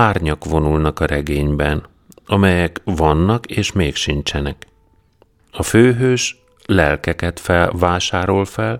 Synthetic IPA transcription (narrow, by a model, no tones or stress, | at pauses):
aːrɲɒkʋo̞nulnɒkɒɾɛɡeːɲbɛn | ɒmɛjɛkvɒnːɒkeːʃmeːkʃint͡ʃɛnɛk | ɒføːɦøːʃ | lɛlkɛkɛt̪fɛlvaːʃaːɾo̞lfɛl